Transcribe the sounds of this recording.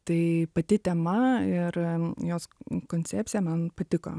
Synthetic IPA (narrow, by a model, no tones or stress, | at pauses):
t̪ɐɪpɐt̪ʲɪt̪ʲɛmɐɪɾjoːskoːnʲt͡ssʲæːpʲsʲɪjɛmɐnpɐt̪ʲɪko̰ː